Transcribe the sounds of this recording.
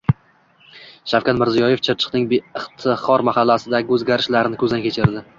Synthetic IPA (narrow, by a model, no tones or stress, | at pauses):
ʃawkʲat̪mɪɾzijɒjeft͡ʃʰɪɾt͡ʃʰɪ̥qnɪŋbeɪχt̪ʰɪχɒɾmahalːasɪd̪aɡʲɪɵzɡʲaɾɪʃlaɾɪnɪkʰɵzd̪ankʲʰe̞t͡ʃʰɪɾd̪ɪ